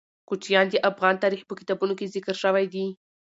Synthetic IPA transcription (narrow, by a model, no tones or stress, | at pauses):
kut͡ʃjɑnd̪əʔafɣɑnt̪ɑɾixpəkɪ̥t̪ɑbunokezɪkɾʃəwajd̪i